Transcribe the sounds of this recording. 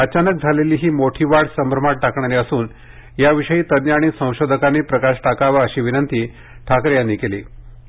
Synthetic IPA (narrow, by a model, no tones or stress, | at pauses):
ət͡ɕanək̚d͡zʱaleliːɦiːmoʈʰiːʋaɽsəmɾəmaʈʈakɳaɾeəsuːn | jaʋiʂəjiːt̪ənjaɽ̃iːsə̃w̃ɕod̪ʱəkanːepɾəkaʂʈakaʋaəɕiːʋinənt̪iː | ʈʰakɾjanːikelḭ